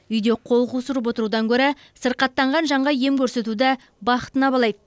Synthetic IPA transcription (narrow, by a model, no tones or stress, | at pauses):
ʏjd̪e̞qʰo̞lˠqusuɾəp̬wo̞t̪əɾud̪ɑŋkʲʰɵɾe | səɾqɑt̪ːɑɴʁɑnʒɑɴʁɑje̞mkʲʰɵɾse̞t̪ud̪ɪ | bɑχə̥t̪ənɑbɑlˠɑjd̪ə